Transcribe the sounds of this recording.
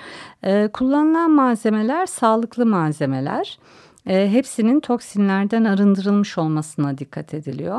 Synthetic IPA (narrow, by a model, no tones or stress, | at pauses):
ɛːkʰulˠːanɯlˠanmaːze̞me̞lʲæɾsaːlˠɯklˠɯmaːze̞me̞lʲæ̰ɾ̥ː | ɦepsinint̪ʰo̞ksinlʲæɾd̪ænaɾɯnd̪ɯɾɯlˠmɯʃo̞lˠmasɯnad̪ikʰːat̪ʰe̞d̪ilʲijo̞